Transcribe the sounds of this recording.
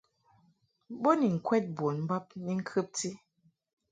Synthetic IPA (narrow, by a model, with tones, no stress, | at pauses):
bo˦ni˨ŋ̩˨kwɛ˦t̚bo˨nm̩˦ba˦p̚ni˦ŋ̩˦kʰɨ˦p̚ti˦